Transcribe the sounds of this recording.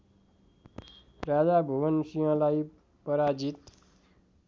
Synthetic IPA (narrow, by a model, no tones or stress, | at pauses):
ɾad͡zabʱuwənsijʌ̃laj | pʌɾad͡zit̪